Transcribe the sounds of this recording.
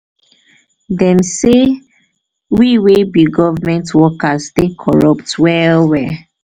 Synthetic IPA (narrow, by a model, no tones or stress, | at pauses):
dɛ̃mse | wiwebiɡɔvamɛ̃ntwɔkastekʰɔɹɔp̚twɛwɛ